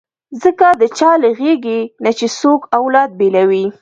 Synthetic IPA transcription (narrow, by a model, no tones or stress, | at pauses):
zəkad̪ət͡ʃɑləɣeɡenat͡ʃesokawlɑd̪̚belawi